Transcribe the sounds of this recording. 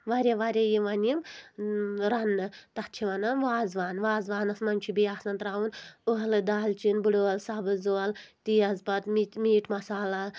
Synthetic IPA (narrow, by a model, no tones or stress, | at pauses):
ʋaɾʲeʋaɾʲejiʋɐnim | ɾɐnːɨt̪ɐt͡ʃʰiʋɐnɐnʋaːzʋaːnʋaːzʋaːnɐsmɐnʲt͡ʃʰibijaːsɐnt̪ɾaːwunuɦɐlɨd̪aːlt͡ʃinbuɽoɐlsabɨzoɐlt̪ijɐzbɐt̪mimiːʈmɐsaːlɐ